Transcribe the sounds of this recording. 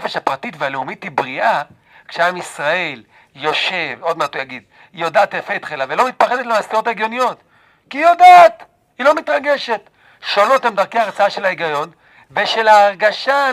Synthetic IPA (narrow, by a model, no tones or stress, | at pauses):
feʃhapʁatit̪vealeumitibʁiʔa | kʃeamisʁae̞l | jo̞ʃe̞vo̞d̪mat̪ujaɡid̪ | jo̞daːt̪efeit̪χelavelo̞mit̪̚paχed̪etlemast̪iʁo̞t̪aeɡjo̞nijo̞t | kijo̞daːt̪ | ilo̞mit̪ʁaɡe̞ʃe̞t̪ | ʃolo̞t̪emd̪aʁkeaʁt͡saaʃe̞laeɡajo̞n | veʃe̞laːʁɡaʃa